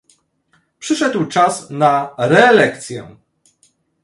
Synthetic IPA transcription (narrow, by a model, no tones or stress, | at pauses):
pʂɘʂɛd̪wt͡ʂasnaɾɛːlɛkt̪sʲjɛ̰